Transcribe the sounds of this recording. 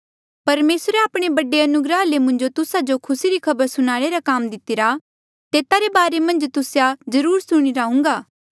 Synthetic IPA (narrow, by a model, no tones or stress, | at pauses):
pɐɾmeːsɾeaːpɽ̃ebɐɖeɐnʊɡɾalemʊ̃nd͡ʒot̪ʊsad͡ʒokʰʊsiɾikʰɐbəɾsʊnaːɭeɾakaːmd̪ɪt̪ɪɾa | t̪eːt̪aɾebaːɾemɐ̃nd͡ʒt̪ʊsjazɐɾuːɾsʊɽ̃iɾaːɦũŋ̆ɡaː